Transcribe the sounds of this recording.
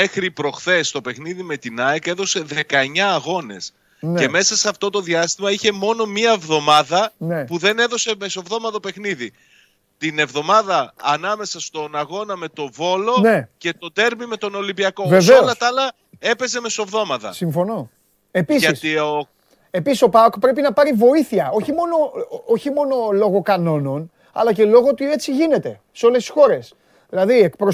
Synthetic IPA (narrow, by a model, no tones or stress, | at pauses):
me̞xɾipɾo̞xθe̞st̪o̞pe̞xniðime̞t̪inɐeke̞ðo̞se̞ðe̞kɐeɲɐːɣo̞ne̞̰s | ne̞me̞sɐseɐft̪o̞t̪o̞ðiɐst̪imɐiçe̞mo̞no̞miɐevðo̞mɐðɐnepuðe̞ne̞ðo̞se̞meso̞vðo̞mɐt̪ope̞xniði | t̪ine̞vðo̞mɐðɐːnɐme̞sɐst̪o̞nɐɣo̞nɐme̞t̪o̞vo̞lo̞nece̞t̪o̞d̪e̞ɾmime̞t̪o̞no̞limbiɐkove̞veoolɐt̪ɐlɐ | e̞pe̞ze̞me̞so̞vðo̞mɐt̪ɐ̰siɱfo̞no̞ | e̞pisʝɐisio | e̞pisi̥so̞pɐokpɾe̞p̬inɐpɐɾivo̞iθiɐo̞çimo̞no̞oçimo̞no̞lo̞ɣo̞kɐno̞no̞n | ɐ̰lɐce̞lo̞ɣot̪ue̞t͡siʝine̞t̪e̞ | seo̞lest̪i̥so̞ɾe̞s | ðilɐðie̞k̚pɾo